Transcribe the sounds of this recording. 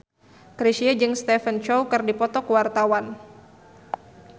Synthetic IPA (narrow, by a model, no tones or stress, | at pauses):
kɾiʃiad͡ʒɨŋst̪ɛfənt͡ʃɔwkɨrdipɔt̪ɔkwart̪awan